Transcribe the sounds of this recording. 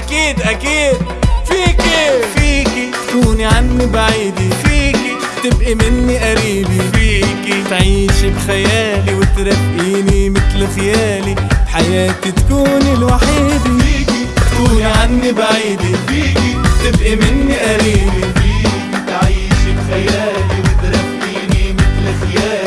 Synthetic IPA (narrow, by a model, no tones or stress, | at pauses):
ʔakiːd̪ʔakiːd̪̚fiːkifiːkit̪kuːniʕanːibaʕiːd̪ifiːki | t̪ɪbʔimɪnːiʔaɾiːbifiːkit̪ʕiːʃibxajaːliwɪt̪ɾafʔiːnimɪt̪lxajaːliħajaːt̪it̪ḁkuːnilwaħid̪iːkit̪kuːniʕanːibaʕiːd̪ifiːkit̪ɪbʔimɪnːiʔaɾiːbifiːit̪ʕiːʃibxajaːliwɪt̪ɾˤɑfʔiːnimɪt̪lxajaː